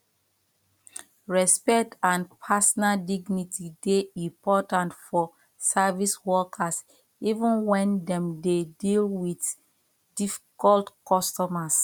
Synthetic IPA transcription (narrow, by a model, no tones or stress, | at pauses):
ɹɛspɛk̚tãnpʰasɔnaldiɡnitideĩmpɔtãntfɔ | saviswɔkʰas | ivũnwɛ̃ndɛ̃mdedilwit | difi̥kɔltkɔstɔmas